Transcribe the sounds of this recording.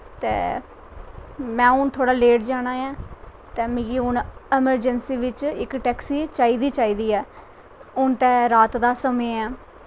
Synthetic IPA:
t̪ḛː | mɛ̃ːʊnt̪ʰoːɽaːleːʈd͡ʒaːɽaːjãː | t̪ɛːmĩːɡiːʊnɛːməɾd͡ʒənsiːʋɪt͡ʃɪkʈɛːksiːt͡ʃaːiːd̪iːt͡ʃaːiːd̪iːɛː | ʊnt̪ɛːɾaːt̪d̪aːsəmẽːãː

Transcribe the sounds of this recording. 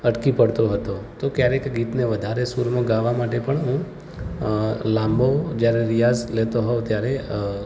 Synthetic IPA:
əʈkipəɽt̪oɦət̪ot̪okjaɾekɡit̪neʋəd̪ʱaɾesuɾmãɡaʋamaʈepəɳɦũ | lãmbod͡ʒjaɾeɾijad͡ʒlet̪oɦoʋt̪jaɾe

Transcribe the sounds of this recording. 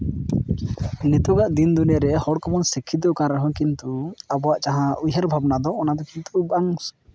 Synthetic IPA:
nit̪uɡaʔd̪ind̪unɛɾɛhɔɽkɔmɔnsikʰid̪ɔkãɾəɦɔ̃kint̪uabɔwaʔt͡ʃaɦãujɦəɾbʱabnad̪ɔɔnad̪ɔkint̪ubaŋs

